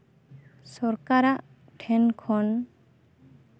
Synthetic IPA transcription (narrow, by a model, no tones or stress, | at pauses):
sɔɾkaɾaʔ | ʈʰɛnkʰɔn